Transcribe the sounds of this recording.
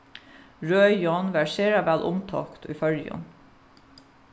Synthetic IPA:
ɹøjɔnʋæʃeːɾɑʋælʔʊmt̪ʰɑ̰kt̪ʰy̰ːfœljɔ̰n

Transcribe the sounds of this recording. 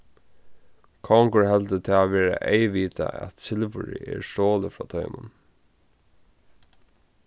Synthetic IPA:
kʰɔŋkəɹhɛlt̪ət̪ʰɛːʋɛːɹa̰ʔejʋiːt̪aæ̰t̪sɪlʋʏɹɪ̰ʔɛʂtoːlɪfɹɑːt̪ʰœʏmʊn

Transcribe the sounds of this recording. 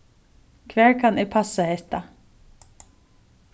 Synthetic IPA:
kʰvɛːɹkʰanɪpʰasahɛht̪a

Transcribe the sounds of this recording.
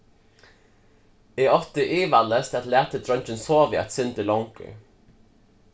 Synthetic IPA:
iːɔt̪əʔiːʋaləst̪ɛt̪læːt̪əd̪ɾœnt͡ʃənsoːʋɪɛ̰t̪sʏnt̪əlɔŋkʏ̰

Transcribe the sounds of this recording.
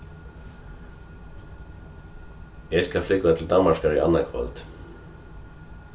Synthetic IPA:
ɛskalflɪkvaðat̪ʰɪld̪anmːaʂkaɾia̰nːakʰvœ̰lt̪

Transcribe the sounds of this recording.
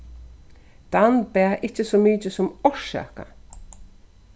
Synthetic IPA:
d̪̥anbɛːʔɪt͡ʃːəsɔːmiːt͡ʃəsʊmɔɹʃa̰ːka̰

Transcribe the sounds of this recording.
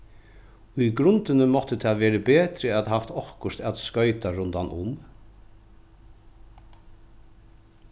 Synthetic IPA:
ʊjɡɾʊnt̪ɪnəmɔht̪ət̪ʰɛːʋeːɾəbeːt̪ɾɪæt̪ɦaft̪ɔhkʊst̪ɛt̪skœʏt̪aɾʊnt̪anʔʊ̰m

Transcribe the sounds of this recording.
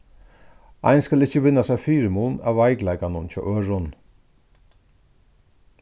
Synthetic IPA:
a̰ɪnskalɪt͡ʃːəʋɪnːasafiːɾɪmuːna̰wvaɪjklajkanʊnt͡ʃʰɔ̰ʔœːɹʊn

